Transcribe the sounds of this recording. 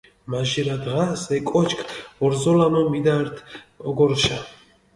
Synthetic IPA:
maʒiɾad̪ʁasɛkʼɔt͡ʃʰkʰɔɾzɔlanɔmid̪aɾt̪ʰɔɡɔɾʃa

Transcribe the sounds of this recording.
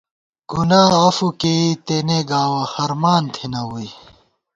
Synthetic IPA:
ɡ̥unaːɐfukeit̪eneɡaːwɐhɐɾmaːnt̪ʰinɐwui

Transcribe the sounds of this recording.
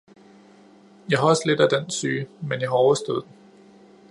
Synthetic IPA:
jɑ̈ɪɦɑɒ̽səle̝d̥æd̥ensyːmenjɑ̈ɪɦɑ̈ɒʊɐsd̥ɔð̩ˠd̥en

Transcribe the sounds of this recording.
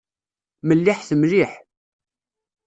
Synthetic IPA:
məlːiħθəmliħ

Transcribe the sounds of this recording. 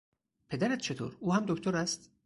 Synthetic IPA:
pʰe̞d̪æɾæt̪t͡ʃʰe̞t̪ʰo̰ːɾuːhæmd̪okt̪ʰoɾæst̪

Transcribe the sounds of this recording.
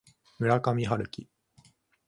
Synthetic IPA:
mɯ̟ɾakamʲiɦaɾɯ̟kʲi

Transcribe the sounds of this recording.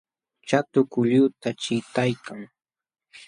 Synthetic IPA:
t͡ʃat̪ʊkʊʎʊt̪at͡ʃɪt̪ajkʰaŋ

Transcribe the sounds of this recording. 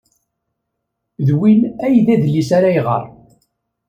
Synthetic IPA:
ðwinæjðæðlːisaɾajʁə̰ɾˤ

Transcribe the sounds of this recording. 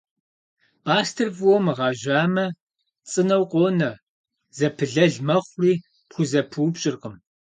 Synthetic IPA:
pʼaːstʰɨrvwɔmʁɑːʒaːmɐ | t͡sʼɨnɐwqʷʼoːnɐ | zɐpʰɨɮɐɮmɐχʷriː | pxʷʊzɐpʰuːbɕʼɪrqəm

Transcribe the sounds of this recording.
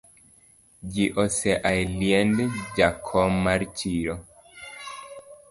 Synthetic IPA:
d͡ʒiʔɔsɛʔajljɛndd͡ʒakʰɔmaɾt͡ʃiɾɔ

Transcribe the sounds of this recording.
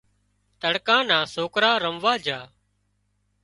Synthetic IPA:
t̪əɽkãːnãːsoːkɾaːɾəmʋaːd͡ʒʱaː

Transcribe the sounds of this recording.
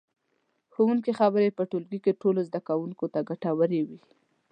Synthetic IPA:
xowuŋkexabəɾepəʈolɡikeʈolozd̪akawuŋkot̪aɡaʈawəɾewi

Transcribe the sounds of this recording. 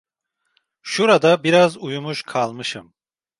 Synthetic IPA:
ʃuɾad̪abiɾazujumuʃkʰalˠmɯʃɯm

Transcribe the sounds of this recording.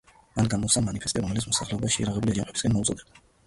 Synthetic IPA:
manɡamɔsamanipʰɛst̪ʼiɾɔmɛlit̪smɔsaχlɛɔbaʃɛjaɾaʁɛbuliad͡ʒampʼɛbiskʼɛnmɔut̪sʼɔd̪ɛb̚d̪a

